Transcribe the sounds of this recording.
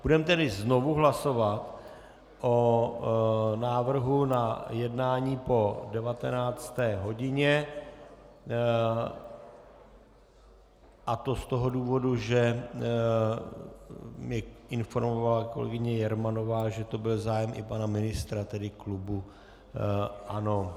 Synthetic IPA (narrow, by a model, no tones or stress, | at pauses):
b̥udɛmt̪ɛdɪzno̞vuɦlaso̞vat̪ | ʔo | naːvr̩ɦunajɛdnaːɲiːpo̞dɛvat̪ɛnaːt͡st̪ɛːɦo̞ɟɪɲɛ | ʔat̪o̞st̪oɦo̞duːvo̞duʒɛ | mɲɛʔɪnfo̞ɾmovalako̞lɛ̰ɡɪɲɛjɛɾmano̞vaːʒɛt̪o̞bɪlzaːjɛmʔɪ̰panamɪnɪst̪ɾat̪ɛdɪklubu | ʔano̞